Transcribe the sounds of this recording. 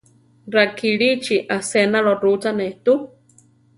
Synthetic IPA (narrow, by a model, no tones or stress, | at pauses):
ɾakiɺit͡ʃiʔasenaɺorut͡saneht̪u